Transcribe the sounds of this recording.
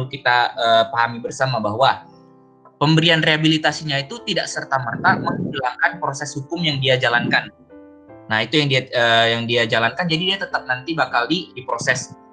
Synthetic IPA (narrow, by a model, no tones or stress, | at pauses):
ukit̪aəːpaɦamibərsamabaɦwa | pəmbəɾianreabilit̪asiɲait̪ut̪idaʔsərt̪amərt̪aməŋbəlaŋkanpɾosɛshukʊmjaŋdiad͡ʒalankanː | aɦit̪ujaŋdiaəːjaŋdiad͡ʒalankand͡ʒadidiat̪ət̪ap̚nant̪ibakaldidipɾosɛs